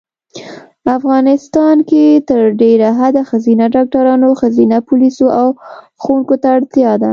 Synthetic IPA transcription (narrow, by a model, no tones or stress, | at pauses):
afɣɑnɪst̪ɑnket̪əɾɖeɾaɦad̪axazinaɖɑk̚ʈaɾɑnoxazinapulisoʔaw | xunkot̪aːɽt̪jɑd̪a̰